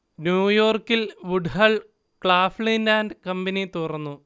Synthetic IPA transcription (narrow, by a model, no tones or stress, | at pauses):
njuːjo̞ːrkːilʋuɖhɐɭ | kɭaːfɭinlaːnɖkɐmbɐnit̪urɐnːu